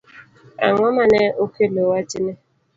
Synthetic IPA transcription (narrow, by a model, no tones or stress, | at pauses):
a̰ŋɔmaneʔokelowad͡ʒine